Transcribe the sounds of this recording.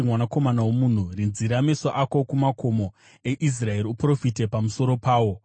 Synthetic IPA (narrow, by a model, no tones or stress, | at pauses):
mwanako̞manawomun̤urinziɾame̞soʔako̞kumako̞mo̞ | e̞ʔis̬rae̞ɾiupro̞fite̞pamuso̞ɾo̞paːwo̞